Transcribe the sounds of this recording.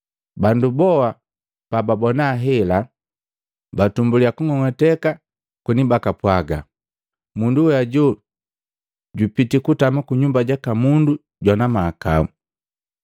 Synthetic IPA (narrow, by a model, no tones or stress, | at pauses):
bandubɔa | pababɔnaːɦɛla | batumbuliakuŋɔŋɔtɛka | kunibakapwaɡa̰ | munduaɟɔ | ɟupitikutamakuɲumbaɟakamundu | ɟwanamaːka̰u